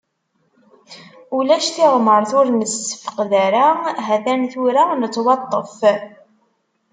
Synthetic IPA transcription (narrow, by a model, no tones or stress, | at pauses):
ulæʃtiʁməɾˤθʊɾnəsə̥fə̥qðæɾaɦæθænθuɾanət͡sːwɑt̪ˤːəf